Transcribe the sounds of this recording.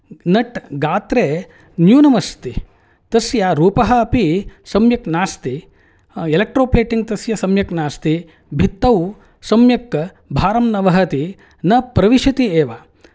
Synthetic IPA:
nɐʈɡaːt̪ɾeː | njuːnɐmɐst̪i | t̪ɐsjaɾuːpɐɦɐ̆ːpisɐmjɐknaːst̪i | elek̚ʈɾoːpleːʈiŋɡ̚t̪ɐsjɐsɐmjɐknaːst̪i | bʱit̪ːɐw | sɐmjɐk | bʱaːɾɐmnɐʋɐɦɐt̪i | nɐpɾɐʋiʃɐt̪ieːʋa

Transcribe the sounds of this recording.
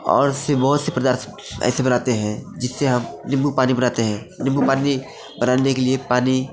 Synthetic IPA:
ɔ̰ːɾʊsebɐɦʊt̪sepɾəd̪əɾt | ɛ̰ːsebənaːt̪eɦɛ̃d͡ʒɪsːeɦɐmnɪ̃mbupaːnibənaːt̪eɦɛ̃ː | nɪ̃mbupaːni | bənaːnekeliepaːni

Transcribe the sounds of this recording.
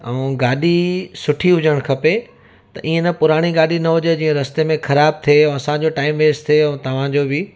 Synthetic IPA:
ɛũɡaːɗisʊʈʰiɦʊd͡ʑəɽ̃kʰɐpe | t̪ɐʔĩːẽnɐpʊɾaːɽ̃iɡaːɗinɐɦʊd͡ʑed͡ʑiːə̃ɾɐst̪emẽxɐɾaːb̚t̪ʰẽɐsãd͡ʑoʈaːɪmʋeːst̪ʰieɛ̃t̪ɐʋ̤ãd͡ʑoːbɪ

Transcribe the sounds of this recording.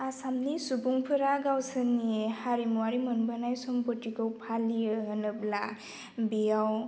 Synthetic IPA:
asamnisubuŋpʰɯɾaɡawsɯnihaɾimuwaɾimɔnbənajsɔmbɔtikɯwpʰalijɯɦɯnɯbla | bijaw

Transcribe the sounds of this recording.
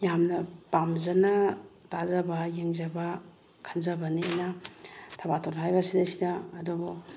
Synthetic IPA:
jamnɐbamzanɐtazɐbajeŋzaba | kʰanzabaniajnɐtʰabatʰolɦajbɐsidasidaːdubɔ

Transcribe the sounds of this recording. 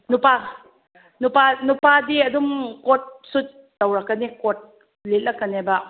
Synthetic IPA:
nupa | nupanupadiɐdumkot̚sut̚ːɐwɾɐkːɐnikot̚ | let̚lɐkːɐnebɐ

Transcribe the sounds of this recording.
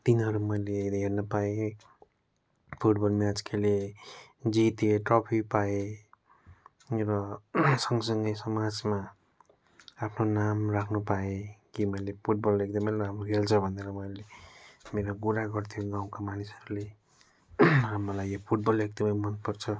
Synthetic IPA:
t̪inɦʌɾumʌjleɦernʌpae | pʰuʈbʌlmjad͡zkele | d͡zit̪eʈrʌpʰipae | rʌsʌŋɡʌsʌŋɡʌjsʌmad͡zma | apʰnonamrakʰnupaekimʌjlepʰuʈ̚bʌlek̚d̪ʌmʌjɦamrukelt͡sʰʌbʱʌneɾʌmʌjlemeɾoɡuɾaɡʌrt̪ʰjoɡaw̃kamanisʌɾule | rʌmʌlajːopʰuʈ̚bʌlek̚d̪ʌmʌjmʌnpʌrt͡sʰʌ

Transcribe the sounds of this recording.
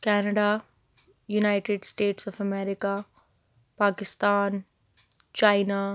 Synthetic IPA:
kɛːnɐɖa | junaɪʈɪɖsʈeːʈsɔfɐmɛːɾɪka | paːkɪst̪aːn | t͡ʃaːɪna

